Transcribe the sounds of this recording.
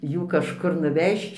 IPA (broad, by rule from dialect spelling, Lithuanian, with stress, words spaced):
ˈjuː kɐʃˈkʊr nʊˈʋʲɛʃt͡ʃ